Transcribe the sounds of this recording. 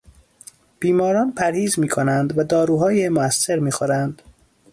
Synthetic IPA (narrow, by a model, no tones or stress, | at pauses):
b̥iːmɒːɾɒːnpʰæɾhiːzmiːkʰonænd̪væd̪ɒːɾuːɦɒːjemoæsːe̞ɾmiːxoɾænd̪̥